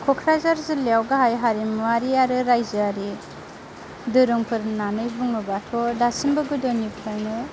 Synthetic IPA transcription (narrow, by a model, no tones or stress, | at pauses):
kʰɔkʰɾazaɾzɯleawɡaɦajɦaɾimwaɾiaɾɯɾajzɯaɾi | dɯɾɯŋpʰɯɾnanɯjbuŋɯbatʰɔdasimbɯɡɯdɔnipʰɯɾnɯ